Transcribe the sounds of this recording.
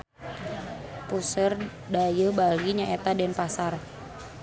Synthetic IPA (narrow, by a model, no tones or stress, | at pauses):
pusər | dajəbaliɲaʔet̪adɛnpasar